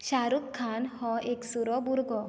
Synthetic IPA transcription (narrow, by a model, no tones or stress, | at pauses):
ɕaɾukʰːanhɔ̃eksuɾɔbuɾɡɔ